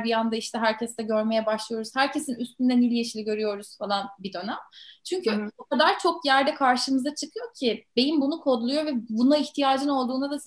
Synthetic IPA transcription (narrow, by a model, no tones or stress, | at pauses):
bijand̪aiʃt̪ɛɦæɾcʰɛst̪ɛɟø̞ɾme̞jɛbaʃlˠɯjo̞ɾuzhæɾce̞sinyst̪ynd̪ɛnilʲijeʃilʲiɟø̞ɾyjo̞ɾuz̥falˠanbid̪ø̞namt͡ʃʰyɲcʰyokad̪aɾt͡ʃʰo̞kjæɾd̪ɛkʰaɾʃɯmɯzat͡ʃʰɯkʰɯjo̞cʰibe̞j̪imbunukʰo̞d̪lˠujo̞vɛbunaiçt̪ʰijaːd͡ʒɯno̞lˠd̪uːnad̪a